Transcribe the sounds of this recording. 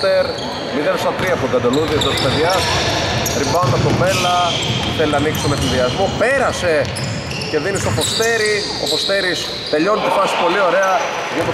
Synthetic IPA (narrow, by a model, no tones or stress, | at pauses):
t̪eɾ | miðesɐt̪ɾiɐpod̪ɐd̪oluðiɐt̪ospeðjɐsɾibɐonɐt̪ove̞lɐ | θeliɐniksomesinðiɐzmo̞pe̞ɾɐse̞ | ce̞ðinist̪opo̞st̪eɾi | o̞̰po̞st̪e̞ɾis | t̪e̞ʎo̞nit̪ifɐsi̥po̞lio̞ɾe̞ɐ | ʝɐpo